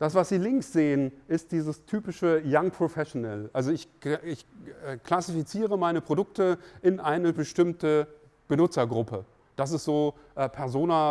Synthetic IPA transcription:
d̥asv̥asz̥iːlɪŋksz̥eːənʔɪst̚d̥iːzəstʰyːpɪʃəjaŋpʁ̥ofɛʃonɛlʔalzoɪçɪçɛːkʰl̥asifit͡siːʁ̞əmaɪnəpʁ̥odʊk̚təʔɪnʔaɪnəbəʃtɪmtə | b̥ənʊt͡sɐɡʁʊpə | d̥as̬ɪstz̥oː | ʔɛpʰɛɐzoːna

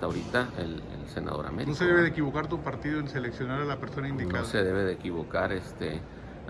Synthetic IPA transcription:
aoɾit̪aḛlḛlsena̰ðo̞̰ɾa̰meɾnoseeβeðekiβo̞kaɾt̪̬upaɾt̪iðoenseleksjo̞naɾalapeɾso̞naind̪inkaðse̞ðe̞βeðeːkiβo̞kaɾest̪e

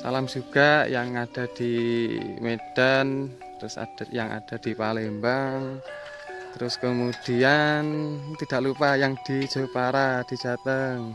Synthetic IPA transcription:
sa̰lamd͡ʒ̥uɡ̥ajaŋːad̥a̤d̪̥i | med̥an | t̪əɾʊsa̰d̥ajaŋʔa̰d̥a̤d̪̥i̤palembaŋ | t̪əɾʊskəmud̥iant̪id̥aʔlupajaŋd̥i̥d͡ʒ̥ə̤paɾad̥i̤̥d͡ʒ̥at̪əŋ

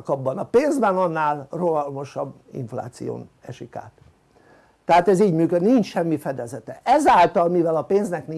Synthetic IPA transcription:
kɒbːɒnɒpeːnzbɛnɒnːaːlroɒlmo̞ʃɒb | ḭɱfla̰ːt̪sijo̰ːnɛʃika̰ːt̪ː | ɛɦaːt̪ɛziːɟmyːkød̪inint͡ʃʃɛmːifɛd̪ɛzɛt̪ɛʔɛzaːlt̪ɒlmivɛlɒpeːnznɛkni

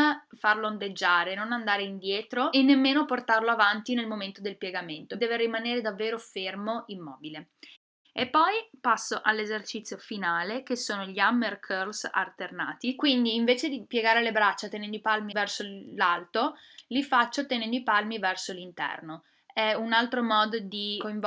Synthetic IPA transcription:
farloand̪ed͡ʒːaːɾenonand̪aːɾeind̪jɛːt̪ɾoenːemːeːnoport̪arloavant̪inelmoment̪od̪elpjɛɡament̪od̪ɛːveɾimaneːɾed̪avːeːɾofermoʔimːɔ̰ːbile | epːɔjpasːoʔalːezert͡ʃit̪sːjofinaːlekesoːnoʎiamːerkʰørlsa̰lt̪erna̰ːt̪ikwind̪iːɱveːt͡ʃed̪ipjeɡaːɾelebɾat͡ʃːat̪enɛnd̪oipalmivɛrsolalt̪o | lifat͡ʃːot̪enɛnd̪oipalmivɛrsolint̪ɛ̰rno | ɛunalt̪ɾomɔːd̪od̪ikoiɱv

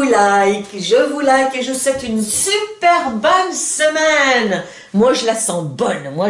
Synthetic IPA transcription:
ulajkʒəvulajkeʒəswɛt̪ynsypɛʁbɔnsəmɛn | mwaʒəlasɑ̃bɔnmwa

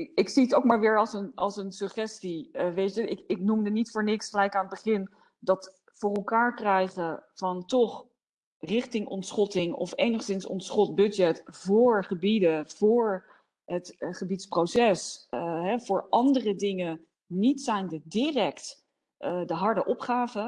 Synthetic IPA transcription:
ɪksiətowkmaːɹʋɪːɹɑlˠsənɑlˠsənsɵχɛstiʋejtəɪkɪk̚numdənitfʊːɹnɪksχəlɛjkaːnəd̚bəχɪn | dɑt | fʊːrɛlˠkaːɹkrɛjχəv̥ɑntɔχ | rɪχtɪŋɔ̰ntsχɔtɪŋɔ̰fejnəχsɪnsɔ̰ntsχɔt̚bɵdɛtv̥ʊːɹχəbidəv̥ʊːɹ | ɦətχəbitsprowsɛsɦɛv̥ʊːɹʔɑndərədɪŋə | nitsɛjndədirɛkt | ʔədəɦɑɹdəʔɔpχaːvə

